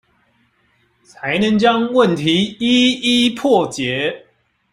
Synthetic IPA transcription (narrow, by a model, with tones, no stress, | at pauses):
t͡sʰa˨˦ɪnə˨˦ŋt͡ɕjɑ˦ŋwə˥˨nt̪ʰi˨˦i˦i˦pʰɔ˥˨t͡ɕjɛ˨˦